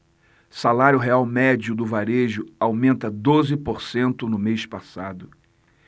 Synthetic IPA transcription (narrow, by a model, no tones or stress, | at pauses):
salaɾjʊɦeawmɛd͡ʒʊd̪ʊvaɾeʒʊawmẽnt̪ɐd̪ozɪpoɾsẽnt̪ʊnʊmespasad̪ʊ